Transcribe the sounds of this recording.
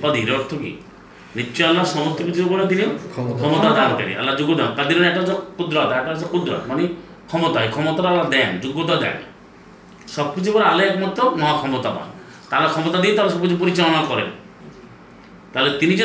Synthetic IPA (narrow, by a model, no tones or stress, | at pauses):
pad̪ʱiɾɔɾt̪ʰɔkḭ | nit͡ʃːɔalːasɔmɔt̪ikit͡ʃiɾɔpɔɽet̪̬inikʰɔmɔt̪ad̪anka̰ɾḭa̰lːad͡ʒuɡɔd̪amkad̪iɾɔɽ̃eʈasɔkud̪ɾat̪aʈasʰɔkud̪ɾa̰t̪mani | kʰɔmɔt̪aekʰɔmɔt̪aɾalːad̪ɛnd͡ʒuɡɔt̪ad̪a̰n | sɔb̚kit͡ʃʰupɔɾealeekmɔt̪ːɔmɔɦakʰɔmɔt̪aba̰n | t̪alekʰɔmɔt̪ad̪it̪aɦles̬ɔbkit͡ʃʰup̬ɔɾit͡ʃalɔɽ̃akɔɾḛ | t̪aɦelet̪inid͡ʒ